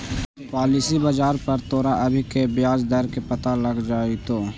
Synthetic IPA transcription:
paːlisibəd͡ʒaːɾpɐɾt̪oːɾaʔɐbʱikebɪjaːd͡ʒd̪ɐɾkepɐt̪alɐɡd͡ʒaːit̪oː

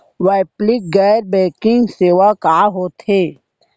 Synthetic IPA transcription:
waːplɪk̚ɡɛːɾbɛ̃ːkɪ̃ŋɡseːʋakaːɦot̪eː

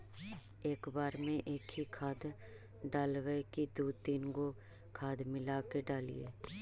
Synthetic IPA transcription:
eːkbaːɾmẽʔeːkʰikʰaːd̪ | ɖaːlʋəkid̪uːt̪iːnɡo | kʰaːd̪mɪlaːkeɖaːlḭḛː

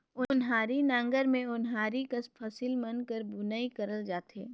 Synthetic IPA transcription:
ʊnɦaːɾinãːŋɡəɾmẽʊnɦaːɾikɐspʰɐsilmɐnkəɾbʊnaːikɐɾəld͡ʒaːt̪eː

